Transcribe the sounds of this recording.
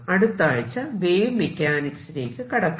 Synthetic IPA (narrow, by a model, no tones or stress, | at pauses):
ɐɽut̪ːaːɻit͡ɕːɐʋeːjumːekʲːaːniksineːkːɨkɐɽɐkː